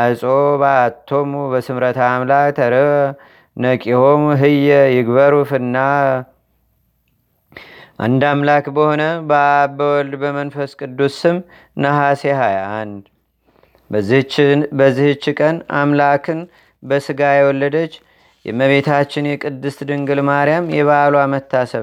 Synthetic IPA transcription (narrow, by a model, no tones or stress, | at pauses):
sʼobaat̪ʰːo̞mubəsɨmɾət̪ʰaːmlakt̪ʰəɾɨ | nəkʼihomɦɨjɛjɪɡbəɾufɨnːa | ʔa̰nd̪amlakbəho̞nəbabəwɔld̪bəmənfəskʼɨd̪ːusɨm | nəhaseɦajand̪ | bəzːihɨt͡ʃːkʼəna̰mlakʰɨn | bəsɨɡajɛwɔlːəd̪ət͡ʃː | jɛ̰məβe̞t̪ʰat͡ʃːɪnjɛkʼɨd̪ːɨst̪d̪ɨŋɡɨlmaɾjamjɛβaloamət̪ʰːasəβ